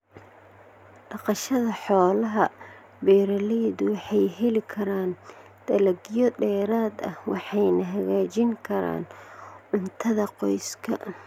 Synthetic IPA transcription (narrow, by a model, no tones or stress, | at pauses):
ɖɑqɑʃɐðɐħɔːlɐɦɐ | bɛːɾɐlɛjðʊwɑħɑjɦɛlɪkʰɐɾaːn | d̪̥ɐlɐɡijɔɖɛːɾaːd̪ɐ̰hwɑħɑjnɐɦɐɣaːt͡ʃɪŋkʰɐɾa̰ːnʕʊnt̪ʰɐðɐqɔjskʰɐ̰